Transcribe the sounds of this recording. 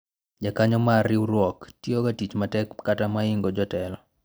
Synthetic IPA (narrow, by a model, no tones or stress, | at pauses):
d͡ʒakaɲɔmarɪuɾwɔktjiokatit͡ʃmatɛkːatamaiŋɡɔd͡ʒɔtɛlɔ